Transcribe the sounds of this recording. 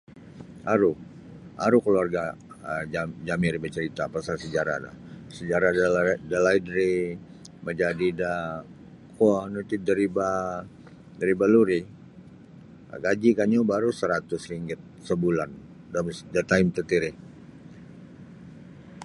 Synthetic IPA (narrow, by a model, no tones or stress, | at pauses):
ʔaɾu | a̰ɾukəluarɡa | əd͡ʒad͡ʒamiɾibat͡ʃəɾit̪apasalsəd͡ʒaɾa̰da̰səd͡ʒaɾadədalaidɾi | məd͡ʒadida | koanut̪idəɾiba | dəɾibaluɾi | ɡad͡ʒikaɲubaɾusəɾat̪ʊsriŋɡɪt̪̚səbulan | damsdət̪aɪmt̪ət̪iɾɪh